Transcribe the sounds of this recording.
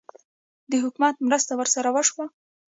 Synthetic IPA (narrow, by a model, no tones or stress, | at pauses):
d̪əɦʊkumat̪mɾəst̪awəɾsaɾawəʂwa